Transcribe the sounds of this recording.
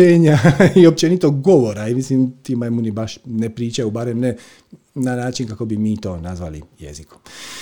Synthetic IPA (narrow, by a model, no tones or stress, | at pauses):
eːɲaiop̚t͡ʃenit̪oɡɡo̞ʋo̞ɾaimisliːmt̪iːmamunibaʃnepɾiːt͡ʃajubaːɾemne | nanaːt͡ʃinkako̞bimiːt̪o̞ːnazʋa̰lḭjḛziku̥